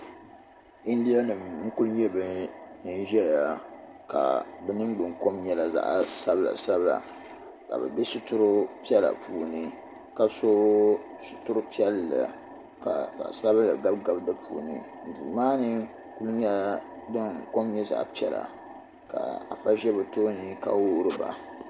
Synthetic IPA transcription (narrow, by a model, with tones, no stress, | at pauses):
i˦n˦di˦a˦nɨ˨mŋ̩˦ku˦lɲɛ˦bɨ˦n̩˦ʒɛ˦˨ja˨ | ka̰˨bɛ˨˦nɨ˦mɡ͡bɨ˨ŋko˦mɲɛ˦la˨za̰˨ʔa˨sa˦bla̰˨sa˦bɨ˦la̰˨ | ka̰˨bɛ̰˨bi˦su˦tʊ˦ɾʊ˦pi˦ɛ˦la̰˨pʰuː˨nɨ˦ | ka˨so˦ | sʊ̥˦tʊ˦ɾʊ˦pi˦ɛ˦lːa̰˨ | ka˨ka̰˨sa˦blɨ˨ɡa˦bɡa˨bdɨ˦pʰuː˨nɨ̰˨ | n̩˨dṵː˨maː˦nɨ˦ | ku˦lɲɛ˦ | dɨ˦ŋko˦mɲɛ˦za̰˨ʔpi˦ɛ˦la̰˨ | ka̰˨a̰˨fa˦ʒɛ˦bɛ˨to˦ɲi˦ka̰˨wo˦ɾɨ˨ba̰˨